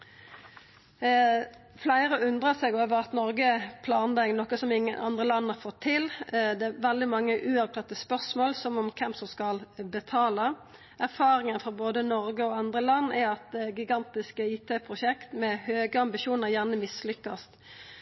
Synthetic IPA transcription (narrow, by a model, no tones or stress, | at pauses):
flæɪʁəʉnd̪ʁəsɛɡoːʋəʁɑt̪nɔɾɡəpʰlɑːnd̪ɑŋnɔkəsɔmɪŋːənʔɑ̰nd̪ʁəlɑnːhɑfɔt̪ʰːɪld̪ɛæʋɛld̪ɪmɑŋːəʔʉːɔʋt̪ʰɑt̪ːəspœʁsmoːlsɔmɔmkʰɛmsɔmskɑlbət̪ʰɑːlə | ʔæɾfɑːɾɪŋənfɔɾboːd̪ənɔɾɡəɔɑnd̪ʁəlɑnːɛɛt̪ːɡɪɡɑnt̪ɪskəiːt̪ʰeːpʰʁʊʃɛkt̪mɛhøːɡəɑmbɪʃuːnəʁjæʁnəmɪslʏkːɑst̪